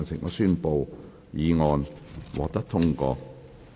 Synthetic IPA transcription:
nsɪ˨˩ŋʔɔ̰ː˨˧syː˥npo˧w | jiː˨˧ŋɔː˧nwɔ̰ː˨k̚t̪ɐ˥k̚t̪ʰʊ˥ŋkɔː˧

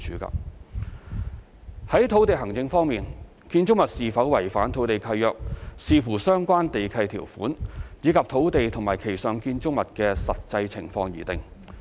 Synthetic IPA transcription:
t͡ʃʰyː˨˥kɐ̰˨p | hɐ˨˥jt̪ʰo˨˥wt̪e˨jɦɐ˨˩ŋt͡sɪ˧ŋfɔː˥ŋmiː˨n | kiː˧nt͡sʊ˥ŋmɐ˨t̚siː˨˩fɐ˨˥wwɐ˨˩jfaː˨˥nt̪ʰo˨˥wt̪e˨jkʰɐ˧jjœː˨k̚siː˨˧fuː˨˩sœː˥ŋkʷaː˥nt̪e˨jkʰɐ˧jt̪ʰiː˨˩wfuː˨˥nt͡siː˨˥kʰɐ˨p̚t̪ʰo˨˥wt̪e˨jt̪ʰʊ˨˩ŋmaː˨˩kʰe˨˩jsœː˨ŋkiː˧nt͡sʊ˥ŋmɐ˨t̚kɛː˧sɐ˨t̚t͡sɐ˧jt͡sʰɪ˨˩ŋfɔː˧ŋjḭː˨˩t̪ɪ˨ŋ

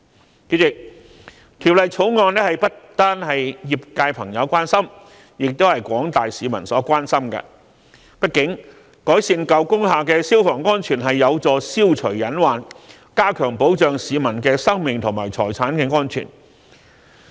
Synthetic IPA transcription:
ke˧ɪ˨k̚ | kʰiː˨˩wlɐ˨jt͡sʰo˨˥wŋɔː˧nɛ˥hɐ˨jpɐ˥t̚t̪aː˥nhɐ˨jːi˨p̚kaː˧jpʰɐ˨˩ŋjɐ˨˧wkʷaː˥nsɐ˥m | jɪ˨k̚t̪o˥whɐ˨jkʷɔː˨˥ŋt̪aː˨jsiː˨˧mɐ̰˨˩nsɔː˨˥kʷaː˥nsɐ˥mkɛ̰˧ | pɐ˥t̚kɪ˨˥ŋ | kɔː˨˥jsiː˧nkɐ˨˧wkʊ˥ŋɦaː˨˩kɛː˧siː˥wfɔː˨˩ŋːɔː˥nt͡ʃʰyː˨˩nɦɐ˨jːɐ˨˧wt͡sɔː˧siː˥wt͡ʃʰɵ˨˩ɥjɐ˨˥nwaː˨n | kaː˥kʰœː˨˩ŋpo˨˥wt͡ʃœː˨ŋsiː˨˧mɐ˨˩nkɛː˧sɐ˥ŋmɪ˨ŋt̪ʰʊ˨˩maː˨˩jt͡sʰɔː˨˩jt͡sʰaː˨˥nkɛː˧ŋɔː˥nt͡ʃʰy̰ː˨˩n

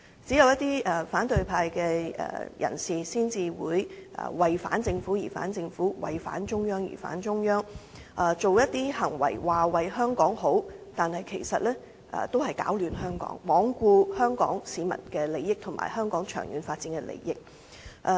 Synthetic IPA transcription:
t͡siː˨˥jɐ˧wjɐ˥t̪iː˥ɛ˨˩faː˨˥nt̪ɵ˨˧ɥpʰaː˧jkɛ˧ɛ̰˨jʔɐ̰˨˩nsiː˨siː˥nt͡siː˨wuː˨˧jʔɐ̰ː˨wɐ˨jfa̰ː˨˥nt͡sɪ˧ŋfuː˨˥jiː˨˩fa̰ː˨˥nt͡sɪ˧ŋfuː˨˥wɐ̰˨jfa̰ː˨˥nt͡ʃʊ˥ŋjœː˥ŋjḭ˨˩fa̰ː˨˥nt͡sʊ˥ŋjœː˥ŋ | ʔɐ˨t͡so˨wjɐ˥t̚t̪iː˥hɐ˨˩ŋwɐ̰˨˩jwaː˨wɐ˨jɦœː˥ŋkɔː˨˥ŋɦo˨˥wt̪aː˨nhɐ˨jkʰe˨˩jsɐ˨t̚lɛː˥ | ʔɛ̰ː˨t̪o˥wɦɐ˨jkaː˨˥wlyː˨nɦœː˥ŋkɔ̰ː˨˥ŋmɔː˨˥ŋkuː˧hœː˥ŋkɔ̰ː˨˥ŋsiː˨˧mɐ̰˨˩nkɛː˧le˨jːɪ˥k̚t̪ʰʊ˨˩ma̰ː˨˩jhœː˥ŋkɔː˨˥ŋt͡ʃʰœ̰ː˨˩ŋjy̰ː˨˥nfaː˧t̚t͡siː˧˥nkɛ˧lḛ˨˧jjɪ˥k̚ | ʔɛ˧

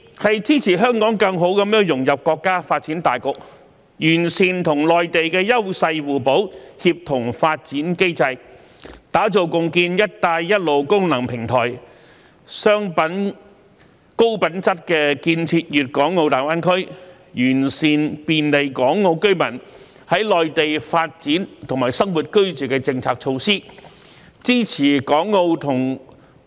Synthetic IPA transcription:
hɐ˨jt͡sʰiː˥t͡sʰiː˨˩ɦœː˥ŋkɔː˨˥ŋkɐ˧ŋɦo˨˥wkɐ˨˥mjœː˥ŋjʊ˨˩ŋjɐ˨p̚kʷɔː˧kːaː˥faː˧t̚t͡siː˨˥nt̪aː˨jkʊ˧˥k̚ | jyː˨˩nsiː˨nt̪ʰʊ˨˩ŋlɔː˨jt̪e˨jkɛː˧jɐ˥wsɐ˧jwuː˨˩po˨˥whi˧p̚t̪ʰʊ˨˩ŋfaː˧t̚t͡siː˨˥nke˥jt͡sɐ˧j | t̪aː˨˥t͡so˨˩wkʊ˨ŋkiː˧njɐ˥t̚t̪aː˧jːɐ˥t̚lo˨wkʊ˥ŋnɐ˨˩ŋpʰɪ˨˩ŋt̪ʰɔː˨˩j | sœː˥ŋpɐ˨˥n | ko˥wpɐ˨˥nt͡sɐ˥t̚kɛː˧kiː˧nt͡sʰiː˧t̚jyː˨t̚kɔː˨˥ŋːo˧wt̪aː˨˩jwaː˥nkʰɵ˥ɥ | jyː˨˩nsiː˨npiː˨nle˨jkɔː˨˥ŋːo˧wkɵ˥ɥmɐ˨˩n | hɐ˨˥jlɔː˨jt̪e˨jfaː˧t̚t͡siː˨˥nt̪ʰʊ˨˩ŋmaː˨˩jsɐ˥ŋwu˨t̚kɵ˥ɥt͡syː˨kɛ˧t͡sɪ˧ŋt͡sʰaː˧k̚t͡ʃʰo˧wsiː˥ | t͡siː˥t͡sʰiː˨˩kɔː˨˥ŋːo˧wt̪ʰʊ˨˩ŋ

